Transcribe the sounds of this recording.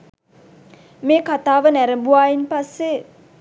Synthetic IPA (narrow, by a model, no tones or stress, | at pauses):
meːkat̪aːʋənæɾəmbuaːjinpasːe